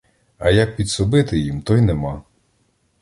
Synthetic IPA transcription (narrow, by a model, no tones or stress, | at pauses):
ɐjɐk̚pʲid̪sɔbɪt̪ɪjimt̪ɔjnemɑ